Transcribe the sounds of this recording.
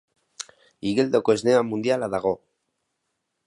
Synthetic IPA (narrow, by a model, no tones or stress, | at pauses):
iɣeld̪okoezneamund̪jalaðaɣo